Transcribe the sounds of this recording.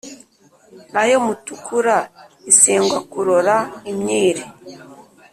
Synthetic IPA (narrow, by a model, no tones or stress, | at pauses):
najomutukuɾaisiːŋɡwakuɾoɾaimɲiːɾe